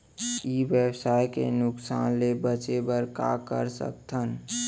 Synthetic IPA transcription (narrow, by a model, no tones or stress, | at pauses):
ibjəwsaːjkḛnʊksaːnlebət͡ʃebəɾka̰kə̰ɾsə̰k̚t̪ʰən